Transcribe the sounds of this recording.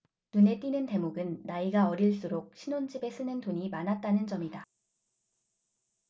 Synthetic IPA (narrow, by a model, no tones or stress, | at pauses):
nune̞t͈inɯnte̞moɡɯnːaiɡaʌɾiɭs͈uɾok̚ɕʰinond͡ʑibe̞s͈ʰɯnɯntoɲimanɦat̚t͈anɯnd͡ʑʌmida